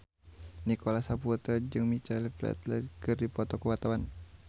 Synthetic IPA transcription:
nikɔlasaput̪əd͡ʒɨŋmit͡ʃɛlplɛ̰t̪lɛ̰dkɨrdipɔt̪ɔkuwat̪awan

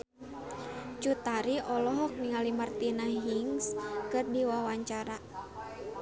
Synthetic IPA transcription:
t͡ʃut̪aɾiʔɔlɔɦɔk̚niŋalimart̪inaɦɦiŋskɨrdiwawaɲt͡ʃaɾa

